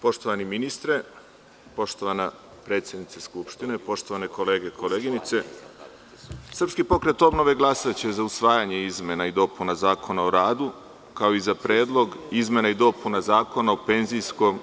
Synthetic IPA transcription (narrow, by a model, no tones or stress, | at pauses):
po̞ʃt̪o̞ʋaniminist̪ɾe | po̞ʃt̪o̞ʋana | pɾe̞t̪sʲjed̪nit̪seskupʃt̪ine̞po̞ʃt̪o̞ʋane̞ko̞le̞ːɡe̞kʰo̞leːɡinit̪se̞ | sr̩pskipo̞kɾe̞t̪o̞bno̞ʋeɡlˠasat͡ɕezausʋaːjaɲe̞izme̞naid̪o̞punazaːko̞naoɾaːd̪u | kao̞izapɾe̞ːd̪lˠo̞ɡizme̞naid̪o̞punazaːko̞naope̞nzijsko̞m